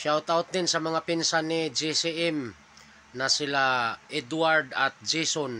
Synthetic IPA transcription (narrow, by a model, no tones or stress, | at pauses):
ʃawt̪awt̪̚d̪ɪnsɐmɐŋapɪnsanɪd͡ʒisiʔɛm | nɐsɪlaʔɛd̪waɹd̪ɐt̪̚d͡ʒɛson